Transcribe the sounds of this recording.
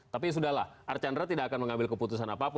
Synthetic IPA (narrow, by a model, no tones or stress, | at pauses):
t̪ap̬is̬udahlahʔart͡ʃandɾat̪idaʔakanməŋambɪlkəput̪us̬anapapʊ